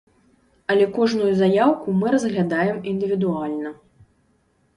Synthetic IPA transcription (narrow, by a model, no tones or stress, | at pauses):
ɐlʲɛkɔʐnujuzajawkumɨɾɐzɣlʲad̪ajɛmind̪ɨvʲid̪ualʲnɐ